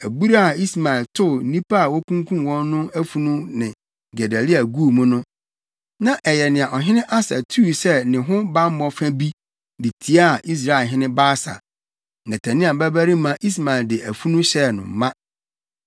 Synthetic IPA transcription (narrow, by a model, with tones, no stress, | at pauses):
æ˨bu˦ɾa˦a˨i˦sma˨ɪ˨ltʰʊ˦˨˦nĩ˦pa˦a˨wɔ˦kũ˦ŋ˦kʰũ˦mwɔ̃˦nːʊ̃˦æ˦fu˦nũ˦nɪ̃˨ | ɡɛ˨dæ˨li˦a˨ɡuː˦˨mʊ̃˦nʊ̃˦ | nã˦ʔɛ˨jɛ˨nɪ̃˨a˨ʔɔ˨ɦɪ̃˦nɪ̃˦ʔa˦sa̰˨tʰu˦˨sɛ˦nɪ̃˨ɦʊ̃˦bã˦m˦mɔ̃˨˦fæ̃˦bi˦ | dɪ˨tʰi˦a˦a˨ʔi˦s̬ɾa˨ɪ˨ɦɪ̃˦nɪ̃˦baː˦sa̰˨ | nã˨tʰæ̃˨nɪ̃˦a˨bæ˦bæ˦ɾi˦mã˦ʔi˦s̬ma˨ɪ˨ldɪ˨æ˨fu˦nũ˦ɕɛ˦˨nʊ̰̃˨m̩˨mã˦